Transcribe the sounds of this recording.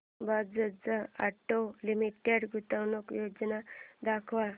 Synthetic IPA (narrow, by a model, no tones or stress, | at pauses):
bad̪d͡zəd͡zaaʈːolimiʈeɖɡut̪awnokjoːd͡ʒnad̪akʰʋa